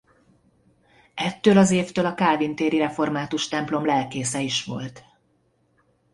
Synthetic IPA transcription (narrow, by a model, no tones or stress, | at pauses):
ɛt̪ːøːlɒzeːft̪øːlɒkaːvint̪eːɾiɾɛfo̞rmaːt̪uʃt̪ɛmplo̞mlɛlkeːsɛiʃʋo̞lt̪